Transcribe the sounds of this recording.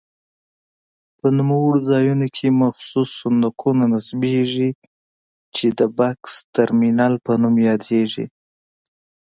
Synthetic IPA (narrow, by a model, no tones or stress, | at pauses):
pənʊmawəɽozɑjunokʰemaxsusːʊnd̪aqʰunanasbeʒi | t͡ʃed̪əbakst̪aɾminɑlpənumjɑd̪eʒḭ